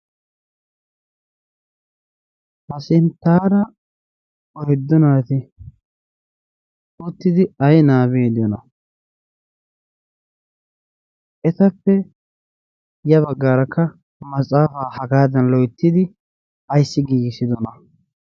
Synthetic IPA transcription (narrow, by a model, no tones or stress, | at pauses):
hɐsɪnt̪ːaːɾɐ | ɔjɪd̪ːɔnaːt̪ɪ | ut̪ːɪd̪ɪɐjnaːbeːd̪ɪjɔnɐ | ʔɛt̪ɐpːɛ | jɐβɐɡːaːɾɐkːɐ | mɐt͡sʼaːfaːhɐɡaːd̪ɐnlɔjt̪ːɪd̪ɪ | ɐjsːɪɡiːɡɪsɪd̪ɔnɐ